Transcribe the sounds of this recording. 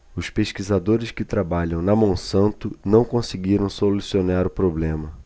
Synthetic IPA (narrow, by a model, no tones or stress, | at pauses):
ʊspeʃkizad̪oɾɪskɪt̪ɾabaʎɐ̃w̃nɐmõw̃sɐ̃nt̪ʊnɐ̃w̃kõsɪɡiɾɐ̃w̃solusionaɾʊpɾoblẽmɐ